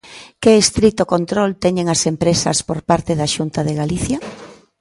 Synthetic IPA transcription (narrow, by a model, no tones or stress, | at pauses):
keːst̪ɾit̪ʊkont̪ɾolt̪ɛɲeŋasempɾesɐ̰spoɾpaɾt̪eðaʃunt̪aðeɣaliθja